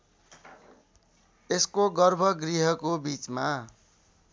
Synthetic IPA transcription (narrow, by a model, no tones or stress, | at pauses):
eskoɡʌrbʱʌɡriɦʌkobit͡sma